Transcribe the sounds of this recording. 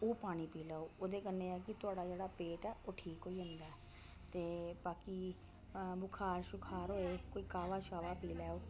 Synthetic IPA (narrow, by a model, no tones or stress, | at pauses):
oːpaːɽ̃iːpiːlaːoːoːd̪eːkənːeːaːkɪt̪ʊaːɽaːd͡ʒeːɽaːpeːʈɛːoːʈʰiːkɦoːiːɦʊ̃nd̪aː | t̪eːbaːki | bʊkʰaːɾʃʊkʰaːɾɦoːeːkoːiːkaːʋaːʃaːʋaːpiːlɛːoː